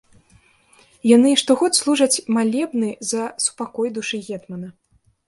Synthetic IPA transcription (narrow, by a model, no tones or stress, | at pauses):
janɨʂt̪ɔɣɔt̪slˠuʐɐt͡sʲmalʲɛbnɨzɐsu̥pakɔjd̪uʂɨɣʲɛt̪mɐnɐ